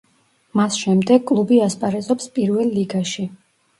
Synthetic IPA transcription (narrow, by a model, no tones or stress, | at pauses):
masʃɛmd̪ɛɡ̚kʼlˠubiaspʼaɾɛzɔpspʼiɾvɛlˠːiɡaʃi